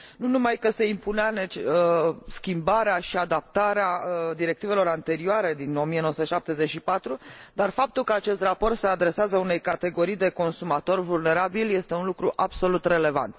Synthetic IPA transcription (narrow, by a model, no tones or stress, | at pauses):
nunumajkəse̞impuneanet͡ʃəskʲimbaɾeaʃiad̪ap̚t̪aɾead̪iɾe̞k̚t̪ive̞lo̞ɾant̪e̞ɾioaɾe̞d̪ino̞mijenoosut̪eʃap̚t̪ezet͡ʃʃipat̪ɾud̪arfap̚t̪ulkəat͡ʃe̞st̪rapo̞rt̪sead̪ɾe̞seazəune̞jkat̪e̞ɡo̞ɾijd̪e̞ko̞nsumat̪o̞rvulne̞ɾabilje̞st̪e̞unlukɾuʔabso̞lut̪re̞le̞va̰nt̪